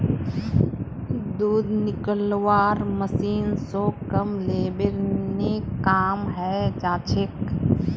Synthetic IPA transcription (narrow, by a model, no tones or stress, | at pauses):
d̪uːd̪nɪkəlwaːɾməsiːnsoːkəmleːbɪɾnekaːmɦɛːd͡ʒaːt͡ʃʰɪk